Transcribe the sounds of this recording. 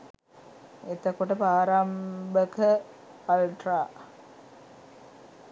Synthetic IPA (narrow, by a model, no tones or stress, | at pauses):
et̪əkuʈəpaːɾambəkəː | lʈraː